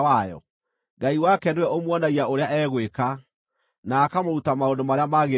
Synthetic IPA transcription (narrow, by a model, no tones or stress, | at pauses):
wajɔ̰ | ɡaiwakɛndewɛomwɔnaɣiaʔoɾeaʔɛɣweka | naːkamoɾutamaondomaɾeamaɣe